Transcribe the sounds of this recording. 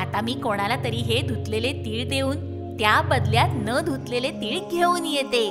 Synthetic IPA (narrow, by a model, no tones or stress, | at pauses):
at̪amiːkoɽ̃alat̪əɾiːɦed̪ʱut̪lelet̪iːɭd̪euːn | t̪jabəd̪ljat̪nəd̪ʱut̪lelet̪iːɭɡʱeuːnjet̪e